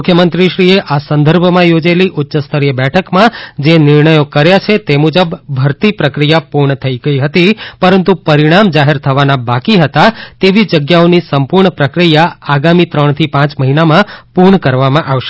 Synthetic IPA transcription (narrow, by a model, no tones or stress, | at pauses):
mukʰjəmənt̪ɾiʃɾieʔasə̃nd̪ʱəɾbʱəmãjod͡ʒeliʔʊtːʃəst̪ʰəɾijəbɛʈʰəkmãd͡ʒenɪɾɳəjokəɾjat͡ʃʰet̪emud͡ʒəbbʱəɾt̪ipɾəkɾijapuɾɳət̪ʰəiɡəiɦət̪ipəɾənt̪upəɾiɽ̃amd͡ʒaɦeɾt̪ʰəʋanabakiɦət̪at̪eʋid͡ʒəɡjaonisəmpuɾɳəpɾəkɾijaaɡamit̪ɾəɳt̪ʰipãt͡ʃməɦinamãpuɾɳəkəɾʋamãʔaʋʃe̥